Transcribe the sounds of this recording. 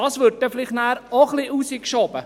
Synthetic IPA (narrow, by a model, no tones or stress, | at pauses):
ɑːsʋøɾd̚tɛflɪχtnæːɾoχliʔusikʃɔbə